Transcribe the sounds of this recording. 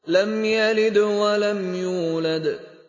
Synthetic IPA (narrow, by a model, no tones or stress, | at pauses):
lɐmjɐlɪd̪wɐlɐmjuːlɐd̪